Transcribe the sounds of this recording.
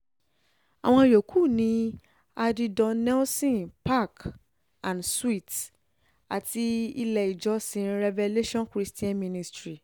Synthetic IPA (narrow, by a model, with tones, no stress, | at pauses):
a˨w̃ɔ̃˧˦jo˨kʰu˦˨nĩ˧˦ | a˧di˧dɔ̃˧nɛ˦lsĩ˦˨npa˦˨k | ã˨nswi˦˨t | a˨ti˧i˧lɛ˧i˨d͡ʒɔ˨˦sĩ˨˦ɾɛ˧vɛ˧le˦ʃɔ̃˦nkɾi˦stĩ˦ã˦nmĩ˧nĩ˧stɾi˨